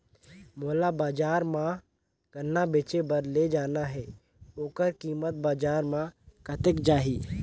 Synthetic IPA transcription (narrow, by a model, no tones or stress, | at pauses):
moːlabaːd͡ʒaːɾmã | ɡənːabeːt͡ʃebəɾled͡ʒaːnaɦɛː | oːkəɾkiːmət̪̚baːd͡ʒaːɾmãkət̪ekd͡ʒaːɦiː